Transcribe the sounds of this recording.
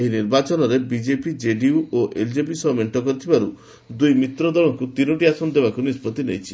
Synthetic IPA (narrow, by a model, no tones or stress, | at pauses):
eɦiniɾbat͡ʃɔnɔɾebid͡ʒepid͡ʒeɖiuoʔeld͡ʒepisɔmeɳʈɔkɔɾit̪ʰibaɾu | d̪ujmit̪ɾɔd̪ɔɭ̃ɔŋkut̪inɔʈiasɔnɔd̪ebakunispɔt̪inejt͡ʃʰi̥